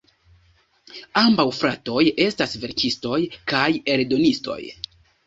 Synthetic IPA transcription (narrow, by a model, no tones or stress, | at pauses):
ambawfɾato̞je̞stasve̞ɾkisto̞jkaje̞ldo̞nisto̞̰j